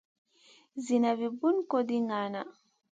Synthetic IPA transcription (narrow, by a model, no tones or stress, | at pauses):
zinavibunkodiŋana